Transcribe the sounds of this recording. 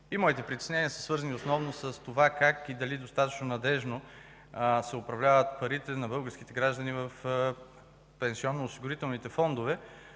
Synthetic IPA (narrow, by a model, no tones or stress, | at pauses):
imɔit̪ɛpɾit̪ɛ̥snɛnʲiəsə̥svɤɾzəniosnɔvnosəst̪ovakakid̪ɐlid̪ost̪at̪ɐt͡ʃnonɐd̪ɛʒno | sɛʊpɾɐvlʲavət̪̚pɐɾit̪ɛnɐbɤlˠɡəɾsk̟it̪ɛɡɾaʒd̪ɐnivɐf | pɛnsiɔnːoːsiɡʊɾit̪ɛlˠnit̪ɛfɔnd̪ovɛ